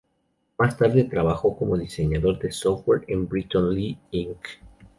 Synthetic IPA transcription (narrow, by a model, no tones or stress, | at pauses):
mast̪aɾðe̞t̪ɾaβaxo̞ko̞mo̞ðise̞ɲaðo̞ɾðe̞soweɾembɾit̪onliiŋk